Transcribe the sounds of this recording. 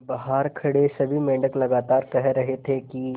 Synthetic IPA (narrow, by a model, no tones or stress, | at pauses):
bɐɦaːɾkʰɐɽesɐbʱimẽːɳɖəklɐɡaːt̪aːɾkɐɦɾɐɦet̪ʰeki